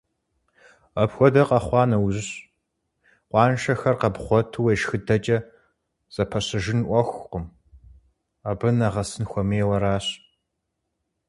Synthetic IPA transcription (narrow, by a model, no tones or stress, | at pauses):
ɐpxʷɔdɐqɐχʷɑːnɐwʑɕ | qʷɑːnʃɐxɐrqɐbχʷɔtʰɨweʃxɨdɐt͡ʃʼɐ | z̥ɐpʰɐɕɪʒɪnʔʷɔxʷqəm | ɐbɨnɐʁɐsɨnxʷɔmeːwɐɾaːɕ